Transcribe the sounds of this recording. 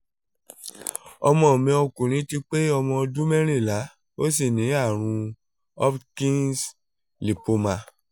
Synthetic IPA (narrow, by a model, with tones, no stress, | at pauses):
ɔ˧mɔ̃˧˦˨mĩ˧o˧kũ˨ɾ̃ĩ˨˦ti˧k͡pe˦ɔ˧mɔ̃˧dũ˦mɛ̃˦ɾ̃ĩ˦˨la˨˦ | o˦s̬i˦˨nĩ˨˦a˦˨ɾ̃ũ˧ | ɔ˦pkĩ˦ns | li˨po˧ma˧